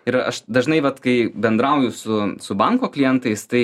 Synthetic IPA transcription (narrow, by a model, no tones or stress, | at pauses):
ɪɾɐ̰ʃd̪ɐʒnɐɪʋɐt̪kɐɪbʲɛnd̪ɾɐʊjʊsʊsʊbɐŋkoːklʲɪjɛnt̪ɐɪst̪ɐɪ